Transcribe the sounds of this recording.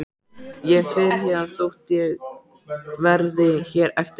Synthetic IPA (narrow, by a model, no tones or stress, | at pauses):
jɛɣfɛːɾaθjɛðanθowht̪jɛɣ | vɛɾðɪçɛːɾɛft̪